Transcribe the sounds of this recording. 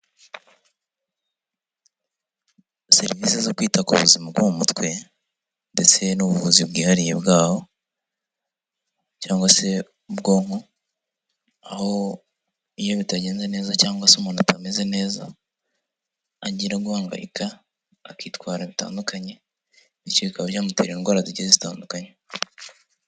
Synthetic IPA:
se̞ɾiviːsezokwiːtakṵβuzimabɡumumutwe̞ | nde̞t͡se̞nuβuvuzibɡiːhaɾije̞̰bɡaːho̞ | caːŋɡwase̞ | ubɡo̞ːmo | a̰ho̞ | ijo̞βitaɟe̞ːnzene̞ːzacaːŋɡwasumonatʰameze̞ne̞ːza̰ | ɟiːɾaɡuhaːŋɡa̰jḭkʰaː | kiːtwaːɾaβita̰ːndukʰaɲe̞ | niciβikaβɾjaːmute̞̰ːɾiːnɡwaːɾaziɟizezita̰ːndukaɲe

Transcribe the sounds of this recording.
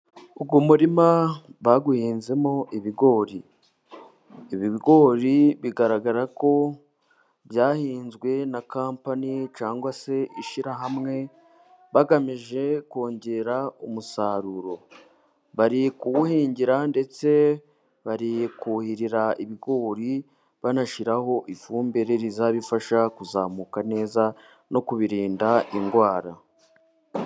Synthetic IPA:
ubɡumuɾimaβaɡuhiːnze̞moʔiβiɡo̞ːɾi | βiβiɡo̞ːɾiβiɡaɾaɡaɾako̞ | bjaːhiːnzɡwe̞nakaːmpanit͡ʃaːŋɡwase̞iʃiɾaɦamŋe̞ | βaɡamiʒe̞ko̞ːɲɟe̞ɾaumusaːɾuɾo̞ | βaɾikuɡuhiːɲɟiɾande̞t͡se̞ | βaɾikuhiɾiɾaiβiɡo̞ɾi | βanaʃiɾaho̞ʔifuːmbeɾe̞ɾizaβifaʃakuzaːmuːkane̞ːza | no̞kuβiɾiːndaʔiŋɡwaːɾa̰

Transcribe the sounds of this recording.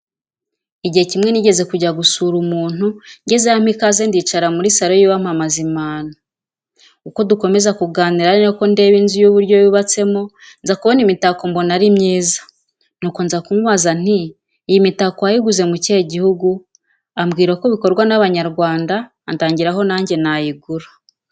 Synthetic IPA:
iɟihe̞cimŋe̞niɟe̞ze̞kuɟaɡusuːɾumuːn̥uɲɟe̞zeham̥ikaze̞ndit͡ʃaɾamuɾisaɾo̞jiβam̥amazimaːno | uko̞duko̞me̞zakuɡaːniɾaɾinoko̞nde̞ːβiːnzujuβuɾɟo̞βiβat͡se̞mo̞ | nzakuβo̞nimitako̞mbo̞naɾimɲiːzḁ | nuːko̞nzakumuβazan̥iː | jimitakoajiɡuze̞muceɟihuɡu | amɡiːɾako̞βiko̞ɾɡwanaβaɲaɾɡwaːndaː | ntaːɲɟiɾaɦo̞naːɲɟe̞najiɡuɾḁ

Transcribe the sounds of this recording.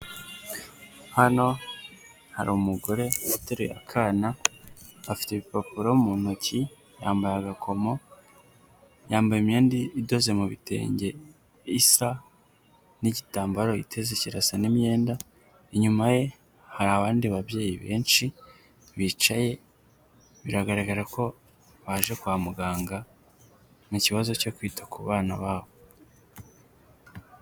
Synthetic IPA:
hano̞ | ha̰ɾuumuɡoɾe̞ataɾḭja̰kʰanaː | fi̥teβipopuɾomumuːn̥oci | ja̰ːmbajaɡakʰo̞mo̞ | jaːmbajimjeːndiːdo̞ze̞muβḭte̞̰ːɲɟe̞ | isa | niɟitaːmbaɾo̞ḭtʰe̞zeciɾasanime̞ːnda | iɲumaje̞ | haɾaβaːndiβabje̞ːjiβe̞ːnʃi | βit͡ʃaje̞ | βiɾaɡaɾaɡaɾakʰo̞ | βaʒe̞kwaːmuɡaːŋɡa | muciβazo̞co̞kwiːtʰḁkuβaːnaβaːβo

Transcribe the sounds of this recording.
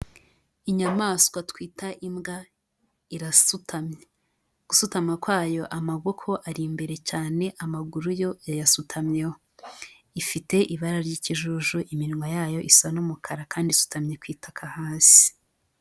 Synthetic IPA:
iɲamaːskwatkwiːtaʔimɡa | iɾasutʰamɲe | ɡ̥usutamŋakwaːjo̞ʔamaɡokʰo̞ʔaɾimbe̞ɾe̞caːne̞ʔamaɡuɾujo̞ajasutʰamɲewo | ifite̞ʔiβaɾaɾɟiːciʒuʒuʔimiɾiŋwajaːjo̞ʔisanumukʰaɾakaːndisu̥tamɲekwiːtḁkʰahaːsi̥

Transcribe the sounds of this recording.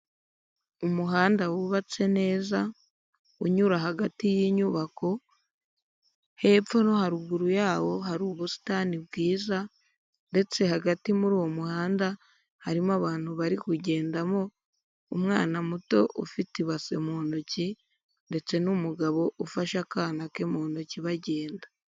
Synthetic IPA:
umuɦaːndawuβat͡se̞ne̞ːza | uɲuɾaɦaɡatijiːɲuβakʰo̞ | he̞fo̞no̞haɾuɡuɾujaːβo̞ɦaɾuːβusi̥taːnibɡiːza | nde̞t͡se̞haɡatimuɾuːwo̞muhaːnda | haɾimaβaːn̥huβaɾikuɟe̞ːndamo̞ | umŋaːnamuto̞̰ʔufitiβase̞moːnoci | nde̞t͡se̞numuɡaβo̞ʔufaʃakaːnake̞mo̞ːnociβaɟe̞ːnda

